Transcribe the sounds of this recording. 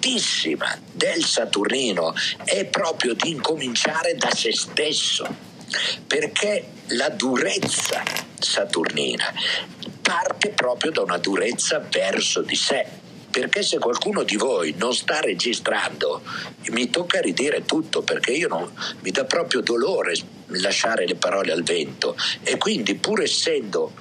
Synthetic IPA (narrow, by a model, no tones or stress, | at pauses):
t̪isːima̰ | d̪elsat̪urniːnoɛpːɾɔːpɾjod̪iːŋkomint͡ʃaːɾed̪asest̪esːo̰ | perkʰe | lad̪uɾet̪sːa̰ | sat̪ṵrnḭːna̰part̪epɾɔːpɾjod̪aunad̪uɾet̪sːavɛrsod̪ise | perkesekwalkuːnod̪ivojnonst̪arːed͡ʒist̪ɾa̰nd̪omit̪okːaɾid̪iːɾet̪ut̪ːoperkeiːononmid̪ɔpːɾɔːpɾjod̪oloːɾe | laʃːaːɾelepaɾɔːlealvɛnt̪oekːwind̪ipuːɾɛsːɛnd̪o